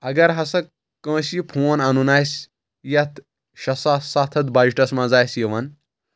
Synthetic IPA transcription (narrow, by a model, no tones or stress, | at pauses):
ɐɡɐɾɦɐsɐ | kɐ̃ːsipʰuːɐnɐnunaːsʲ | jɐt̪ | ʃɐsasat̪ʰɐd̪baːd͡ʒʈɐsmãːzaːjsjɐʋɐn